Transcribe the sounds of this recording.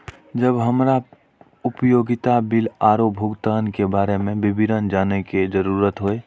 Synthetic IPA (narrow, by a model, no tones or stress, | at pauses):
d͡ʒəbɦəmɾa | ʊpjoːɡɪt̪abɪlaːɾobʱʊɡt̪aːnkebaːɾemẽbɪbɪnənd͡ʒaːneked͡ʒəɾuɾət̪ɦoe